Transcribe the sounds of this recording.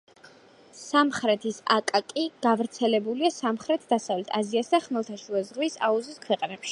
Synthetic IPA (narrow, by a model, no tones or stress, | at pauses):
samχɾɛt̪ʰisa̰kʼakʼiɡ̥avɾt̪sʰɛlɛbuliasamχɾɛt̪ʰd̪asavlɛt̪ʰaziasd̪aχmɛlˠt̪ʰaʃuɛzʁwisa̰uziskʰwɛqʼnɛpʃi̥